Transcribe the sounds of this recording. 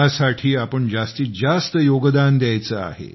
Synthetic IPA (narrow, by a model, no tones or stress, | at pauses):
asaʈʰiːapəɳd͡ʑast̪iːd͡zast̪əjoɡd̪and̪jajt͡səa̰ɦḛ